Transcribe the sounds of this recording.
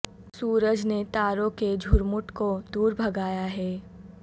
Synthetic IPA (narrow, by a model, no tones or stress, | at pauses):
suːɾəd͡ʒnet̪aːɾõked͡ʒʱʊɾmʊʈkod̪uːɾbʱɐɡaːjaɦɛː